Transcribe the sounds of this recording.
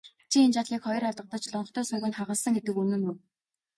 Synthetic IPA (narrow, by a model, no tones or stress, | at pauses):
t͡ɕʰient͡ɕat̪ɮiːkχɔjɞ̆raɮt̪ʁə̆t̪ə̆t͡ɕɮɔɴɞ̆χt̪ʰœːsʊɣʲə̆ːnχaʁə̆ɮsə̆ŋɡet̪ɘ̆kunɘ̆nuw